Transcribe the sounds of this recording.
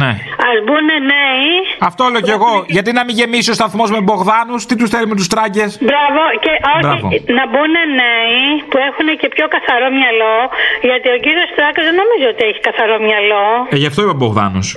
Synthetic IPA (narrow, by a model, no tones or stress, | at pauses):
ne̞ɐzbuneneiɐft̪oleoceɣo̞ʝɐt̪inɐmiʝe̞misiost̪ɐθmo̞zmebo̞ɣðɐnust̪it̪usθelime̞t̪ust̪ɾɐɟe̞sbɾɐvo̞ceʔobɾɐivonɐbuneneipuexunecepço̞kɐθɐɾo̞mɲɐlo̞ʝɐt̪io̞ciɾio̞st̪ɾɐkɐzðeno̞mizoot̪ieçi̥kɐθɐɾo̞mɲɐlo̞eʝɐft̪oipeboɣðɐ̰nṵs